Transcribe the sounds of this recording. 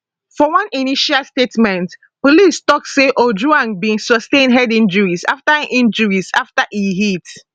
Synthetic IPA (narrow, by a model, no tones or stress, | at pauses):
fɔwãniniʃalstetmɛ̃nt | polistɔk̚seʔod͡ʒuãnbĩnsɔstẽnɦɛdĩnd͡ʒuɹisa̰ftaʔĩnd͡ʒəuɹisaftaʔihit